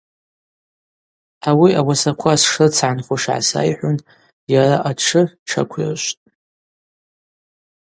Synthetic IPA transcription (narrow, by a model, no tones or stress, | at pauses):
awiawasakʷʰasʂɨt͡sʰʕanχʷaʂʕa̰sa̰jħʷʊn | jaraʔaʈ͡ʂʰɨʈ͡ʂʰa̰kʷʰɪ̰rʃʷtʼ